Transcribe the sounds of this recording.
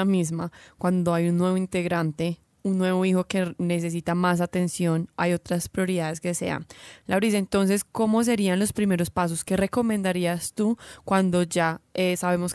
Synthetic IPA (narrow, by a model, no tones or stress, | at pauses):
mizmakwand̪o̞ajunːwe̞βoint̪e̞ɣɾant̪e̞ | unːwe̞βo̞ixo̞ke̞ne̞s̬e̞s̬it̪amas̬at̪e̞nsjo̞najo̞t̪ɾaspɾjo̞ɾiðaðe̞ske̞se̞̰a̰nlawɾis̬ent̪o̞ns̬e̞sko̞mo̞s̬e̞ɾianlo̞spɾime̞ɾo̞spas̬oske̞re̞ko̞mẽnd̪aɾiast̪ukwand̪o̞d͡ʒaesaβe̞mo̞s